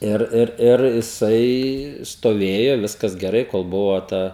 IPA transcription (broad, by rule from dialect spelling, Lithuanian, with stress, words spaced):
ˈɪr ˈɪr ˈɪr jɪˈsɐɪ stoːˈʋʲeːjoː ˈʋʲɪskɐs ɡʲɛˈrɐɪ koːlˠ ˈbʊʋoː ˈtɐ